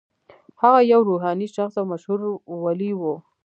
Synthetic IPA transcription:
haɣajawɾuɦɑniʃaxsawmaʃhuɾwaliwo

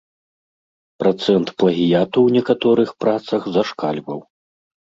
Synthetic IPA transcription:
pɾat̪sɛnt̪plˠɐɣʲijat̪uwnʲɛkat̪ɔɾɨxpɾat̪sɐɣzɐʂkalʲbɐw

